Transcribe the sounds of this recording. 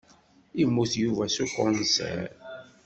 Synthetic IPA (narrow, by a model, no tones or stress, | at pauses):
imːuθjuvæsukːʊnsḛɾ